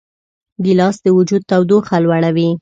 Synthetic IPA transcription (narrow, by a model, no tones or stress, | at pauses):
ɡilɑsd̪əwʊd͡ʒud̪̚t̪awd̪oxalwaɽ̃awi